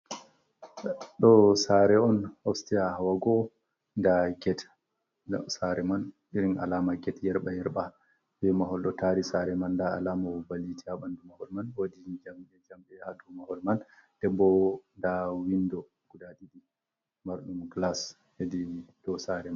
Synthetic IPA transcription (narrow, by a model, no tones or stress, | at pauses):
ɗɔsaɾɛɔnhɔfstiahawaɡɔ | ndaɡɛt | saɾɛmanɗiɾina̰lamaɡɛtjɛɾɓajɛɾɓa | bɛmaɦɔlɗɔtaɾisaɾɛmandaalamabalitiaɓandumahɔlmanwodid͡ʒambɛd͡ʒambɛhadumahɔlmand̥ɛbɔndawindɔ | ɡ̥udadiɗi | maɾɗumɡlas | hedidɔsaɾɛman